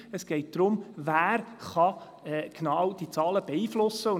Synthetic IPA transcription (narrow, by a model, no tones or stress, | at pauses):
əsɡ̥ɛɪt̚d̪̥ɾʊmvæːɾχɑ | ɛɡ̥nɑːwd̥it͡sɑːləb̥ɛiːflʊsəʊ